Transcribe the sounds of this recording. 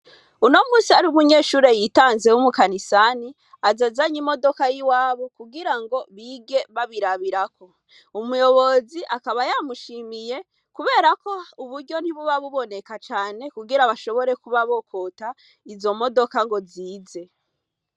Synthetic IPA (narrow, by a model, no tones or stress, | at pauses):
uno̞muːsiaɾiumuɲe̞ːʃuːɾejitaːnze̞wumukanisani | azazaɲimo̞do̞kajiwaːβokuɡiɾaŋɡo̞βiɡe̞βaβiɾaβiɾakʰo̞ | umujo̞βo̞ziʔakaβajamuʃimije̞ | kuβe̞ːɾako̞uβuɾɟo̞n̥hiβuβaβuβo̞ne̞kat͡ʃaːne̞kuɡiɾaβaʃo̞βo̞ɾe̞kuβaβo̞kʰota | izo̞mo̞do̞kaŋɡo̞ziːze̞